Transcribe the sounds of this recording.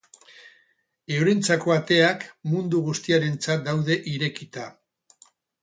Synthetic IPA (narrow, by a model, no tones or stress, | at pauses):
ewɾint͡sako̞at̪e̞akmund̪uɣust̪iaɾe̞nt͡sat̪̚d̪awðe̞ʔiɾe̞kit̪a